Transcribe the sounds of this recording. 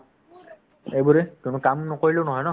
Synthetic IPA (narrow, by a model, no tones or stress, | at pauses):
ejbuɹɛkunukamnɔkoɹilonɔɦɔjnɔ